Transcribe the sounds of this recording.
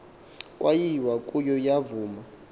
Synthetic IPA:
kʼwajiwakʼujɔjavuːma

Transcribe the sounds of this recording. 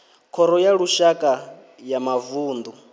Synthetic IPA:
kʰɔɾɔjaɺuʃakʼa | jamavuːnd̪u

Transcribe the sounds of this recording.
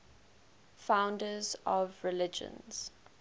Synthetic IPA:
fãʊ̃ndəzɔvɹɪlɪd͡ʒə̰̃nz̥

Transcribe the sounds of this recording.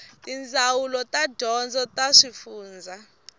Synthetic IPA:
tʼind͡zʱawulɔtʼad̥ʱɔnd͡zʱɔtʼaʂifuːnd͡zʱa

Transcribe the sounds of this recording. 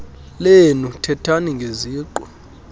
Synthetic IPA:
lenutʰɛtʰaniŋɡʱeziːǃwɛ

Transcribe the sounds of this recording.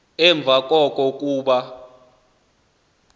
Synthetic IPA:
ɛɱb̪vʱak̬ʼɔkʼɔkʼuːɓa

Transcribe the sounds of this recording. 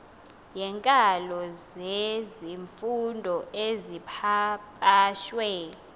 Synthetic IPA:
jɛŋkʼalɔzeziɱfundʱɔezipʰapʼaːʃwɛ

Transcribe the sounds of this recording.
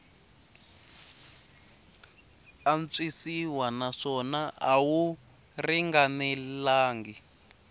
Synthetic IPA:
ant͡sisiwanaʂɔnaʔawu | riŋɡanɛlaːŋɡi

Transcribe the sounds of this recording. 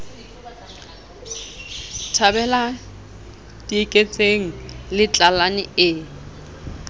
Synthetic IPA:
tʰabɛla | dʼikʼet͡sʼeŋ̩lɪt͡ɬʼalanɪɪ

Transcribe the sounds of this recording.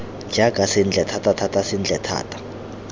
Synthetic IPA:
d͡ʒʱakʼasind͡ɮʱɛtʰatʰʼatʰatʼasind͡ɮʱɛtʰa̰ːtʰʼḁ

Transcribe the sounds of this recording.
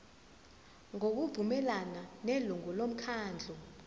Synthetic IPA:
ŋok̬uvumɛlananeluŋɔlom̩kʰaːnd͡ɮʱɔ

